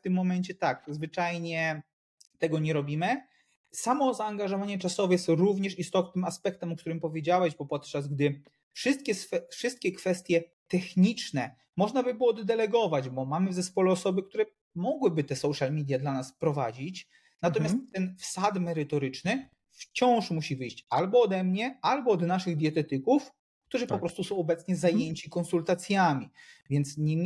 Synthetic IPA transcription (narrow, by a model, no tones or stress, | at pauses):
ft̪ɘmːɔmɛɲt͡ɕɛt̪akzvɘt͡ʂajɲɛ | t̪ɛɡɔɲɛɾɔbʲimɘ | samɔzaːŋɡaʐɔvaɲɛt͡ʂasɔvɛjɛst̪ɾuvɲɛʂist̪ɔt̪nnɘmaspɛk̚t̪ɛmɔkt̪uɾɘmpɔvʲjed͡ʑawɛʑbɔpɔt̪t͡ʂazɡd̪ɘ | fʂɘst̪̚kʲɛsfɛfʂɘst̪̚kʲɛkfɛst̪ʲjɛ | t̪ɛxɲit͡ʂnɛ | mɔʐnabɘbɘwɔd̪d̪ɛlɛɡɔvad͡ʑbɔmamɘvzɛspɔlɛɔsɔbɘkt̪uɾɛ | mɔɡwɘbɘt̪ɛsɔwʂalmʲid̪ʲjad̪lanaspɾɔvad͡ʑit͡ɕ | nat̪ɔmjasst̪ːɛnfsat̪mɛɾɘt̪ɔɾɘt͡ʂnɘ | ft͡ɕɔ̃w̃ʂmuɕivɘjɕt͡ɕalbɔːd̪ɛmɲɛalbɔːd̪naʂɘɣd̪ʲjɛt̪ɛt̪ɘkuf | kt̪uʐɨpɔppɾɔst̪usɔ̃w̃ɔbɛt̪sɲɛzajeɲt͡ɕikɔnsult̪at̪sʲjamʲivʲjɛnt̪sɲɛ